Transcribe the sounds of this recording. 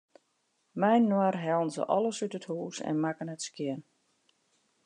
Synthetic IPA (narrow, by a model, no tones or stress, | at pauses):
mɛjnːərɦɛlˠənzə̰ʔɔlˠəsytəthuːsɛ̰nmakənɛtskjɪən